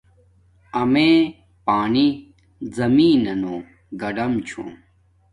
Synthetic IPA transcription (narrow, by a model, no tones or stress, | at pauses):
ɐmeː | paːni | zɐmiːnɐnuː | ɡɐɖɐmt͡ɕʰṵ̃